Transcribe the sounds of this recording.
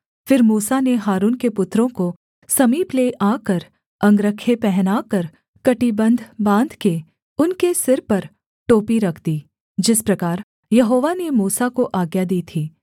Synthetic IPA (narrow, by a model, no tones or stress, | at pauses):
fɪɾmuːsaneɦaːɾuːnkepʊt̪ːɾõko | sɐmiːpleʔaːkɐɾ | kɐ̃ŋɡɾəkʰːepɛɦnaːkɐɾ | kɐʈibɐ̃nd̪ʱbãːnd̪ʱke | ʊnkesɪɾpɐɾ | ʈoːpiɾɐkʰd̪iː | d͡ʒɪspɾɐkaːɾ | jɐɦoːʋanemuːsakoʔaːɡjad̪iːt̪ʰiː